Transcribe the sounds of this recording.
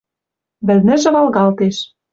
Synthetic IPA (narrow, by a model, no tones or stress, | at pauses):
βɘ̆lnɘ̆ʒɘ̆βɑlɣɑlt̪eʃ